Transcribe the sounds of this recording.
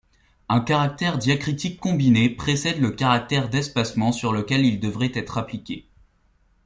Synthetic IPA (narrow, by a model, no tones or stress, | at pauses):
ɛ̃kaʁak̚t̪ɛʁd̪jakχit̪ikːɔ̃binepχesɛd̪ləkaʁak̚t̪ɛʁd̪ɛspasmɑ̃syʁləkʲɛlild̪əvʁɛt̪ɛt̪χaplikʲe